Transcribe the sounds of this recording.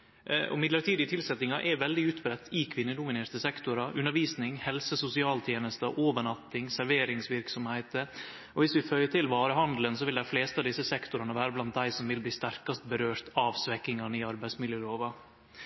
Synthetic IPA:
ʔɔ̰mɪd̪ləʈ̪iːd̪ɪt̪ʰɪlsɛt̪nɪŋɑʔɛɾʋɛld̪ɪʉːt̪bɾɛt̪ʰːɪkʰʋɪnːəd̪ʊmɪneːɾt̪əsɛkt̪ʊɾɑʔʉnːəɾʋiːsnɪŋhɛlsəsʊsɪɑːlt̪ʰjeːnəst̪əʔoːʋəɳɑt̪ːɪŋsæɾʋeːɾɪŋsʋɪɾksɔmhæɪt̪ə | ɔʋɪsʋɪfœʏəʈɪlʋɑːɾəhɑnd̪lənsɔʋɪld̪æɪfleːst̪ɑʋd̪ɪsːəsɛkt̪ʊɾɑnəʋæːɾəblɑnt̪̚d̪æɪsɔmʋɪlbliːst̪æɾkɑst̪̚bəɾøːɾt̪ɑʋsʋɛkːɪŋɑnəɪɑɾbæɪsmɪljəloːʋɑ

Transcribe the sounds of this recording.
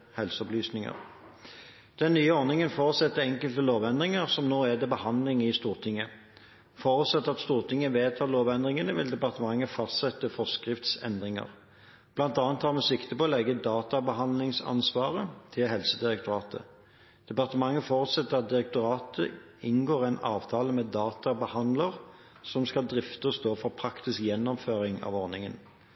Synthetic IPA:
hɛlsəɔplyːsnɪŋə̰ʁ | d̪̥ɛnnːyːəɔɾnɪŋənfoːʁt̪sɛt̪ːəɛŋkəlt̪əloːʋɛnd̪ʁɪŋəʁsɔmnoːæd̪ɛbəhɑnd̪lɪŋɪst̪uːʁt̪ʰɪŋːə | foːʁʉt̪sɛt̪ːəʁɑt̪st̪uːʁt̪ʰɪŋːəʋeːt̪ʰɑːloːʋɛnd̪ʁɪŋənəʋɪld̪ɛpɑʁt̪əmɑŋːəfɑst̪sɛt̪ːəfɔskʁɪft̪sɛ̰nd̪ʁɪŋə̰ʁ | b̥lɑnt̪ɑːnt̪hɑʁmɛsɪkt̪əpɔlɛɡːəd̪ɑːt̪ɑbəɦɑnd̪lɪŋsɑ̰nsʋɑːʁət̪ʰɪlɦɛlsəd̪ɪʁɛk̚t̪ʊʁɑːt̪ə̰ | d̪̥ɛpɑʁt̪əmɑŋːəfoːʁʉt̪sɛt̪ːəʁɑt̪̚d̪ɪɾɛk̚t̪ʊʁɑːt̪ə̰ | ɪnɡoːʁɛɪnɑːʋt̪ʰɑːləmɛːd̪ɑːt̪ɑbəhɑnd̪ləʁ | sɔmskɑld̪ʁɪft̪əɔst̪oːfɔʁpʰʁɑkt̪ɪskjɛnːɔmføːʁɪŋɑ̰ʋɔʁnɪŋən

